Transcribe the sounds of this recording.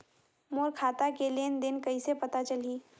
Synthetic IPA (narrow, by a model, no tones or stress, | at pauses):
moːɾkʰaːt̪akelend̪ɪnkɐisepɐt̪at͡ʃɐliː